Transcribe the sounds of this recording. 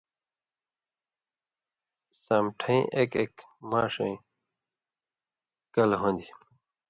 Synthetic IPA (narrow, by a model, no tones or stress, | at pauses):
samʈʰɐḭ̃ʔekekmaːʂɐ̃ĩ | kɐlɦõnd̪i